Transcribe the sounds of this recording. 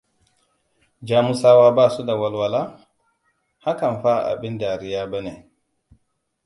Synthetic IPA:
d͡ʒaː˦mu˦saː˦waː˦baː˦su˦da˨wa˦lwa˦la˦ | ha˦ka˨nɸa˦˨ʔa̰˨bɪ˦nda˨ɾɪ˦jaː˦ba˦neː˨

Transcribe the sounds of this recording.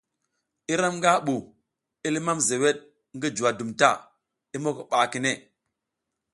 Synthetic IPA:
i˦ɾa˦mŋɡa˦ɓu˨ | i˦li˦ma˦mze˨we˦ɗ̚ | ŋɡi˦d͡ʒu˨wa˨du˨mta˦˨ | i˦mo˦ki˨ɓa˨ki˨ne˦˨

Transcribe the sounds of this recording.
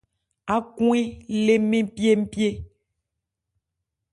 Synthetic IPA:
a˨kũ˦e˦le˦mẽ˦pi˦e˦m̩˦pi˦e˦

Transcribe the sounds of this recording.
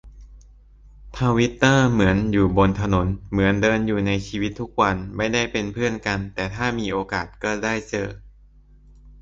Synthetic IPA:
t̪ʰa˧wi˦˥t̪ːɤː˥˩mɯ˩˦ənjuː˨˩bo˧nt̪ʰa˧no˩˦nmɯ˩˦əndɤː˧njuː˨˩na˧jt͡ɕʰiː˧wi˦˥t̪ʰːu˦˥k̚wa˧nma˥˩jda˥˩jpe˧npʰɯ˥˩ənka˧nt̪ɛː˨˩t̪ʰaː˥˩miː˧ʔoː˧kaː˨˩t̪̚kɔː˥˩daː˥˩jt͡ɕɤ̰ː˨˧˩

